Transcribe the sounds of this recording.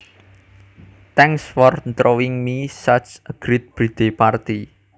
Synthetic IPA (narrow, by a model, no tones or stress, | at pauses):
t̪ɛŋsfɔrnt̪ɾowɪŋmisat͡ʃəɡ̥ɾit̪̚b̥ɾid̪̥epart̪i